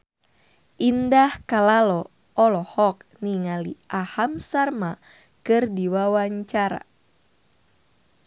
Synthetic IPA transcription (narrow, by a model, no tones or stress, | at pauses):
ʔindahkalalɔ | ɔlɔhɔk̚niŋaliʔahamsarma | kɨrdiwawaɲt͡ʃaɾa̰